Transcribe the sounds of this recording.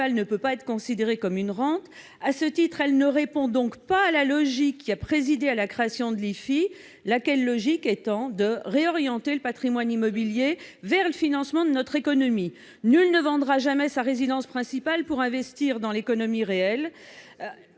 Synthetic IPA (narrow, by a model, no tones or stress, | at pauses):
alnəpøpaɛt̪χəkɔ̃sid̪eʁekɔmynʁɑ̃t̪ | asət̪it̪χɛlnəʁepɔ̃d̪ɔ̃kpaːlalɔʒikːiapχezid̪ealakχeasjɔ̃d̪əlifi | lakʲɛlːɔʒikɛt̪ɑ̃d̪əʁeɔʁjɑ̃t̪eləpat̪χimwanimɔbiljevɛʁləfinɑ̃smɑ̃d̪ənɔt̪χekɔnɔmi | nylnəvɑ̃d̪ʁaʒamɛsaʁezid̪ɑ̃spχɛ̃sipalpuʁɛ̃vɛst̪iʁd̪ɑ̃lekɔnɔmiʁeɛl